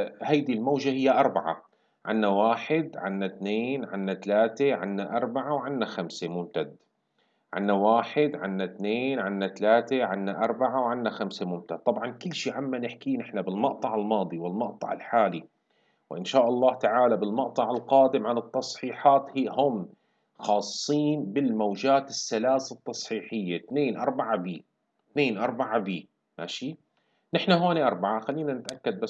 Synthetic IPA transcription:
haːd̪ilmaːʒahɪjːaʔɑɾˤbaʕa̰ | ʕa̰nːawaːħɪd̪ʕa̰nːat̪neːnʕa̰nːat̪alaːt̪eʕanːaʔɑɾˤbaʕawʕanːaxamsemʊmt̪ad̪ | ʕɪ̰nːawaːħɪd̪ʕa̰nːat̪neːnʕanːat̪alaːt̪eʕanːaʔɑɾˤbaʕawʕanːaxamsemʊmt̪ad̪̚t̪ˤːɑbʕɑnkɪlːʃiːʕamːanɪħkiːnʔɪħnabɪlmɑʔt̪ˤɑʕalmɑːd̪ˤiwɪlmɑʔt̪ˤɑ̰ʕɪ̰lħaːli | wɪʔɪ̰nʃaːʔɑlˤːɑːht̪aʕaːlabɪlmɑʔt̪ˤɑʕɪlqɑːd̪ɪmʕanɨt̪ːɑsˤħiːħɑːt̪hiːhʊm | xɑːsˤːiːnbɪlmawd͡ʒaːt̪ɪsːalaːsɪt̪ːɑsˤħiːħɪjːat̪neːnʔɑ̰ɾˤbaʕabiː | t̪neːnʔɑɾˤbaʕabiː | maʃi | nɪħnaɦoːniʔɑɾˤbaʕaxalːiːnanɪt̪ʔakːad̪̚ba

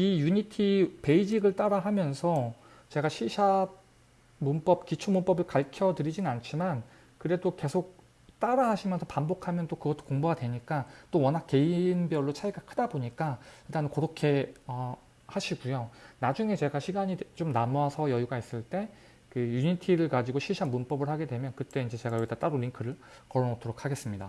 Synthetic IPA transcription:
ijuɲitʰipe̞id͡ʑiɡɯɭt͈aɾaɦamjʌnsʰʌ | t͡ɕe̞ɡaɕʰiɕʰa | munp͈ʌp̚kit͡ɕʰomunp͈ʌbɯɭkaɭkʰjʌdɯɾid͡ʑinɯnant͡ɕʰiman | kɯɾe̞doke̞sʰok̚ | t͈aɾaɦaɕʰimjʌnsʰʌpambokʰamjʌnt͈okɯɡʌt͈ʰːo̥koŋboɡadwe̞ɲik͈at͈owʌnɦak͈ːe̞inbjʌɭːot͡ɕʰaiɡakʰɯdaboɲik͈aitanɯkʌɾokʰe̞ʌ | haɕʰiɡujonad͡ʑuŋe̞t͡ɕe̞ɡaɕʰiɡaɲit͡ɕomnamoasʰʌjʌjuɡais͈ɯɭt͈e̞ | kɯjuɲitʰiɾɯɭkad͡ʑiɡoɕʰiɭɕʰianmunp͈ʌbɯɭhaɡe̞dwe̞mjʌnkɯt͈e̞ind͡ʑe̞t͡ɕe̞ɡajoɡitat͈aɾoɾiŋkʰɯɾɯɭ | kʌɾonʌtʰoɾok̚ʰaɡe̞s͈ɯmɲida̰

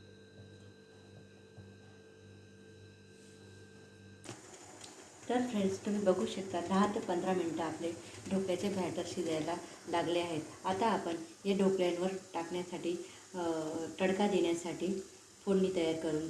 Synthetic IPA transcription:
t̪əɾfɾeɳɖst̪um̤iːbəɡʱuːɕək̚t̪anɦat̪pənd̪ʱɾaminiʈəapleɖʱokɭjat͡ɕebʱaʈəɾɕid̪ajla | laɡleaɦet̪at̪aːpəɳjaɖʱokljanʋəɾʈakɳjasaʈiː | ʈəɽkad̪eɳjasaʈiː | fonːiːt̪əjaɾkəɾuːn

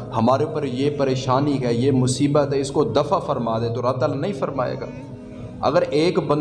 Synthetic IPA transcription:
hɐmaːɾeʊpːəɾjepɐɾeːʃaːnikɦɛjemʊsiːbət̪ɦɛɪskod̪ɐfafɐɾmaːd̪ẽt̪oɾab̚t̪aːlanɐɦĩfɐɾma̰ːḛːɡa̰ː | ɐ̰ɡəɾeːkbɐ̃n

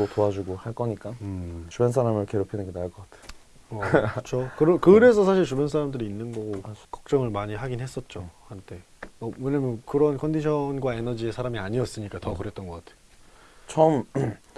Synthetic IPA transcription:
totoad͡ʑuɡohaɭk͈ʌɲik͈at͡ɕubensʰaɾamɯɭkeɾopʰinɯnɡenaɭk͈ʌk͈atʰe̥j | ʌt͡ɕʰokɯɾʌkɯɾe̞s̬ʰʌs̬ʰaɕ̬ʰiɭt͡ɕubensʰaɾamdɯɾiːnːɯnɡʌɡokʌk̚t͡ɕ͈ʌŋɯɭmaɲiɦaɡinɦe̞s͈ʌt̚t͡ɕ͈ohantʰe̞ | ʌwʌɲamjʌnkɯɾʌnkʰʌndiɕʰʌnɡwae̞nʌd͡ʑie̞sʰaɾamiaɲiʌs͈ɯɲik͈atʌkɯɾet̚t͈ʌnɡʌk͈atʰejo | t͡ɕʰʌm

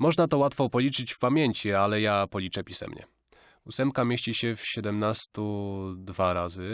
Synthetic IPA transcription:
mɔʐnat̪ɔwat̪fɔpɔlʲit͡ʂɘt͡ɕfpamʲjeɲt͡ɕialɛjapɔlʲit͡ʂɛpʲisɛ̰mɲɛ̰ | usɛmpkamʲjeɕt͡ɕiɕɛfɕɛd̪ɛmnast̪ud̪vaɾazɘ

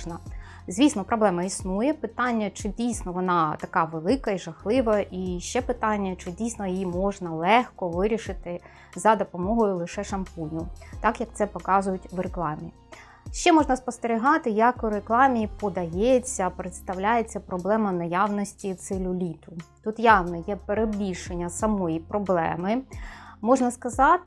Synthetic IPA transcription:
nɐ | zʲʋʲisnɔpɾɔblɛmɐisnujɛpɪt̪ɑnʲːɐt͡ʃɪdʲijsnɔʋɔnɑt̪ɐkɑʋelˠɪkɐiʒɐxlˠɪʋɐʔiʃt͡ʃɛpɪt̪ɑnʲːɐt͡ʃɪdʲijsnɔjjimɔʒnɐlˠɛxkɔʋɪɾʲiʃɪt̪ɪ | zɐd̪ɔpɔmɔɦɔjʊlˠɪʃɛʃɐmpunʲʊt̪ɑkjɐk̚t̪sɛpɔkɑzʊjʊtʲʋreklˠɑmʲḭ | ʃt͡ʃɛmɔʒnɐspɔst̪eɾʲiɦɑt̪ɪjɐkʊɾeklˠɑmʲiːpɔd̪ɐjɛt͡sʲːɐpɾet̪st̪ɐwlʲajet͡sʲːɐpɾɔblˠɛmɐnɐjɑwnɔsʲtʲit̪sɪlʲʊlʲit̪ʊt̪ut̪jɑwnɔjɛpeɾebʲiʃenʲːɐsɐmɔjipɾɔblˠɛ̰mɪmɔʒnɐskɐzɑt̪

